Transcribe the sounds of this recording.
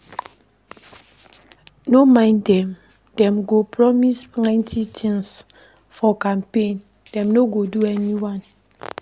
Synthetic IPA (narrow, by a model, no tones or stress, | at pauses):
nomãɪ̃ndɛ̃m | dɛ̃mɡopɹɔmisnãɪ̃ntʰitʰĩŋs | fɔkãmpẽn | d̥ɛ̃mnoɡoduɛniwãn